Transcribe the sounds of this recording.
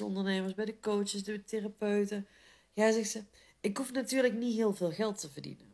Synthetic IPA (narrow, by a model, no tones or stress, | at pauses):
əɔ̰ndəɹneməɹsbɛjdəkowt͡ʃəsdəterapøɥtə | jaːzɛxsə | ɪkɦufnatyːɹləknitɦɪːlˠvɪːlˠɣɛlˠtəvərdḭnən